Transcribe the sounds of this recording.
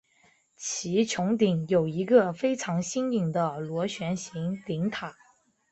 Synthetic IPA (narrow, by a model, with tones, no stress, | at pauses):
t͡ɕʰi˧˥t͡ɕʰjʊ˧˥ŋt̪i˨˧˩ŋjo˨˩ʊi˧˥ɡə˧fe˥ɪʈ͡ʂʰɑ˧˥ŋɕi˥ŋi˨˩ŋd̪ə˦lwɔ˧˥ɕɥɛ˧˥nɕi˧˥ŋt̪i˧˥ŋt̪ʰa˨˩˦